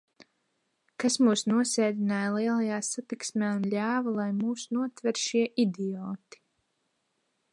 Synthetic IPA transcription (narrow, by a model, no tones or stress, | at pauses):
kasmuːsnuɔsʲɛːd̪ʲinaːjlˠiɛlˠajaːsat̪iksmʲæːunlʲaːvalˠajmuːsnuɔt̪vɛɾʃiɛʔid̪iɔːt̪i̥